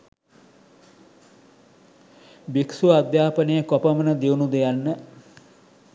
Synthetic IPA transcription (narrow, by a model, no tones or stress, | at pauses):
biksuad̪jaːpənejəkopəmənəd̪eunud̪ejanːə